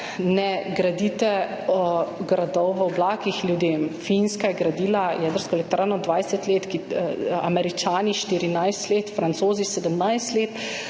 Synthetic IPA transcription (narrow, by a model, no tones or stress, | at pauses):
nɛɡɾad̪it̪ɛ | ɔɡɾad̪ɔwʋəɔblaːkixlʲjud̪eːmfinskajɛɡɾad̪iːlajɛd̪əɾskɔɛlɛk̚t̪ɾʔaːnɔd̪ʋajsɛt̪leːt̪kia̰mɛɾit͡ʃaːniʃt̪iɾinajst̪leːt̪fɾant̪soːzisɛd̪əmnajst̪leːt̪